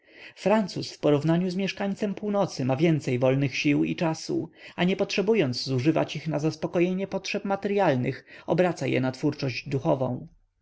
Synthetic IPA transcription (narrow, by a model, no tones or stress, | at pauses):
fɾant̪susfpɔɾuvnaɲuzmʲjɛʂkaɲt̪sɛmpuwnɔt̪sɘmavʲjɛnt̪sɛjvɔlnɘxɕiwḭt͡ʂasṵaɲɛpɔtʂɛbujɔnd̪zzuʐɘva̰t͡ɕixnazaspɔkɔjeɲɛpɔtʂɛpmat̪ɛɾjalnɘxɔbɾat̪sajɛ̰nat̪fuɾt͡ʂɔʑd͡ʑd̪uxɔvɔ̰̃w̃